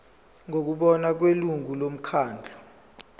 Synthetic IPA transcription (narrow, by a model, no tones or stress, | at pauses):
ŋok̬uɓɔnak̬weluŋʱulom̩kʰaːnd͡ɮʱɔ